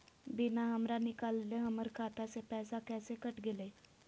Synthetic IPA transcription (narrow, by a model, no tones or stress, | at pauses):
bɪnaɦəmɾanɪkaːlleɦəməɾkʰaːt̪asepɛːsakɛːsekəʈɡɪleː